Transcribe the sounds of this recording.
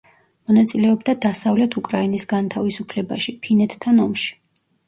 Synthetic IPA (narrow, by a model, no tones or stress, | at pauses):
mɔnat̪sʼilɛɔbd̪ad̪asavlɛt̪ʰukʼɾainisɡant̪ʰavisupʰlɛba̰ʃipʰinɛt̪ʰt̪ʰːanɔmʃi̥